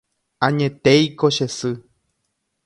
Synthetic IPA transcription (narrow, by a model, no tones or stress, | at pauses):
ãɲẽt̪ejkoʃesɨ